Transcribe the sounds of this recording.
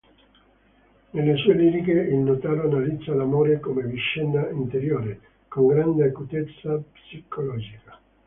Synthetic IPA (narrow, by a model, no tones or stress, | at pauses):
nelːesuːeliːɾikeilnot̪aːloanalit̪zːalamoːɾekomeviʃːɛnːaint̪eɾjoːɾe | koŋɡɾand̪eakut̪et̪sːapsikʰolɔːd͡ʒikḁ